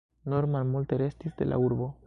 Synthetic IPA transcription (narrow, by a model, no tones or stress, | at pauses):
noɾmamult̪eɾest̪izd̪ḛlʔa̰uɾβo